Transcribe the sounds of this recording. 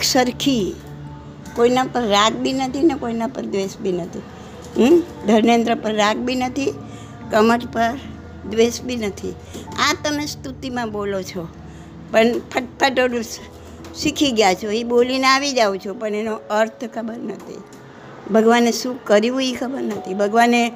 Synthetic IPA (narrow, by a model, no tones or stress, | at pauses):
səɾkʰi | koinapəɾːaɡ̚binət̪ʰinekoinapəɾd̪ʋesbinət̪ʰi | d̪ʱəɾnend̪ɾəpəɾːaɡ̚bʱinət̪ʰi | kəməʈpəɾ | d̪ʋesbinət̪ʰḭ | at̪əmest̪ut̪imãbolot͡ʃʰo | pəɳpʰəʈ̚pʰaʈənũ | ʃikʰiɡjat͡ʃʰoibolineaʋid͡ʒaũt͡ʃʰopəɳenoəɾt̪ʰkʰəbəɾnət̪ʰḭ | bʱəɡʋanesũkkːəɾiũikʰəbəɾnət̪ʰibʱəɡʋane